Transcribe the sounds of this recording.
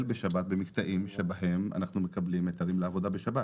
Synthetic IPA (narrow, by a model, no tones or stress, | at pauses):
lbeʃabat̪̚bemikt̪aʔimʃebaɦe̞ma̰naχnumekablimet̪aʁimleavo̞d̪abeʃaba